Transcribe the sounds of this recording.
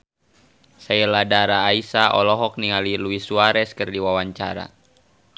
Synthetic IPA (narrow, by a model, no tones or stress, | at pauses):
saɛladaɾaːisaʔɔlɔɦɔk̚niŋaliluisuaɾɛskɨrdiwawaɲt͡ʃaɾa̰